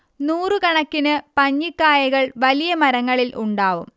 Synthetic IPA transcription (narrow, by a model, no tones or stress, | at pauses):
nuːrɨkɐɳɐkːinɨpɐɲːikːaːjɐɣɐɭʋɐlijɐmɐɾɐŋːɐɭilʔuɳɖaːʋṵm